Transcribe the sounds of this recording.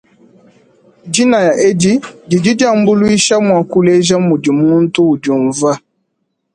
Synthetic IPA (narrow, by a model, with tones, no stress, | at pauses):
d͡ʒi˦na˨ja˨ʔe˦di˦di˨d͡ʒi˦da˦m̩˦bu˦lu˦i˦ʃa˦mwa˨ku˦le˦ʒa˦mu˨di˨m˦u˦n̩˦tu˦u˨d͡ʒu˨ɱ˨va˦